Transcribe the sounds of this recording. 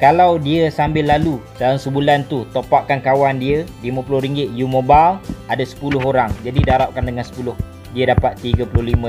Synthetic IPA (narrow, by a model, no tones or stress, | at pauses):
kalawdiəsambɪlːalusalaŋsəbulant̪ut̪opaʔkankawandiəlimə̃pulʊhɾiŋɡɪt̪̚jumobaladasə̥pulʊɦoɾaŋd͡ʒadidaɾap̚kandəŋansə̥pulʊh | diədapat̪ːiɡapulʊhlimə̃